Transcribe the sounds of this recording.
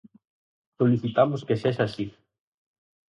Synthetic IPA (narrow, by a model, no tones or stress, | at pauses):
soliθit̪amoskeseʃasi